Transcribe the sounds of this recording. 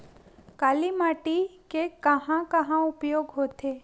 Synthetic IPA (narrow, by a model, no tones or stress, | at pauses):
kaːlimaːʈikekɐɦãkɐɦãʊpjoːɡɦoːt̪eː